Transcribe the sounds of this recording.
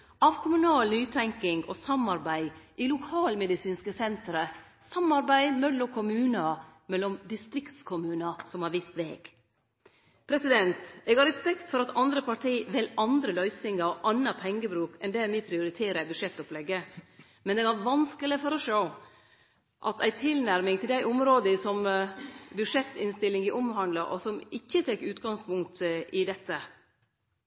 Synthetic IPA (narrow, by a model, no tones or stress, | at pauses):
ʔɑʋkʰʊmʉnɑːlnyːt̪ʰɛŋkɪŋɡosɑmɑɾbæɪʔilʊkʰɑːlmɛd̪ɪsiːnskəsɛnt̪ɾə | sɑmːɑɾbæɪmɛlːɔkʰʊmʉːnɑmɛlːɔmd̪ɪst̪ɾɪkt̪skʰʊmʉːnɑsɔmhɑɾʋist̪ʋḛːɡ̥ | pʰɾɛsɪd̪ɛnt̪eːɡɑɾɛspɛkt̪fɔɾɑt̪ɑnd̪ɾəpʰɑʈʰiːʋɪlʔɑnd̪ɾəlœʏsɪŋɑɔʔɑnːɑpʰɛŋːəbɾʉːkʰɛnd̪ɛæɾmɪpʰɾɪʊɾɪt̪ʰeːɾəbʉdʂɛt̪ːʊplɛɡːə | mɛnɛɡæʋɑnskəlɪfɔɾɔʂoː | ʔɑ̰t̪æɪt̪ʰɪlnæɾmɪŋt̪ʰɪld̪æɪʔʊmɾoːd̪əsɔm | bʉʂɛt̪ːɪnst̪ɪlːɪŋɪʔɔmɦɑnd̪lɑʔɔsɔmɪçːət̪ʰɛkːʉːt̪ɡɑŋspʊŋkt̪ɪd̪ɛt̪ːə